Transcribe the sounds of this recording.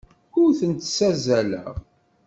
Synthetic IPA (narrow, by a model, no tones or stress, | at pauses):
kʊɾθənt̪sæzælæ̰ʁ